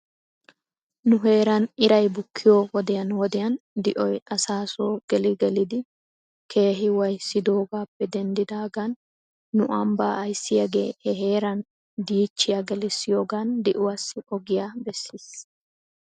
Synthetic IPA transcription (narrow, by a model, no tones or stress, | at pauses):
nʊɦe̞ːɾɐnɪɾɐjbʊkʰːɪjoːwɔd̪ɛjɐnwɔd̪ɛjɐnd̪ɪʔɔjʔɐsaːsoːɡ̥ɛlɪɡɛlɪd̪ɪ | kʰe̞ːɦɪwɐjsːɪd̪o̞ːɡaːpːɛd̪ɛnd̪ɪd̪aːɡanː | ʊʔɐmbaːɐjsːɪjɐɡe̞̰ːhɛɦe̞ːɾɐn | d̪iːt͡ʃːɪjɐɡɛlɪsːɪjoːɡand̪ɪʔʊwɐsːɪʔɔɡɪjabɛsːis